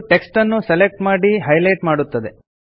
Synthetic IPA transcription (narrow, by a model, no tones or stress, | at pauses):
ʈeksʈɐnːuselek̚ʈmaːɽiɦɐjlɐjʈmaːɽut̪ːɐd̪e̞